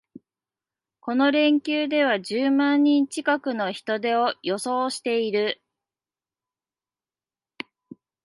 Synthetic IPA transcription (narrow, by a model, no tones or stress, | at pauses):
ko̞no̞ɾẽ̞ŋkʲɨːd̪e̞β̞aʑɨːmãɲ̟ːĩɲt͡ɕikakɯ̟no̞çi̥t̪o̞d̪e̞o̞jo̞so̞ːɕi̥t̪e̞iɾɯ̟